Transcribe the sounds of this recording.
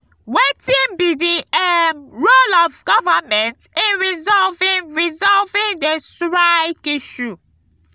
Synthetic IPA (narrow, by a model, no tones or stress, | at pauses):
wetĩnbidiɛmɹolɔvɡɔvamɛ̃ntĩnɹizɔlvĩnɹizɔlvĩndesɹakiʃu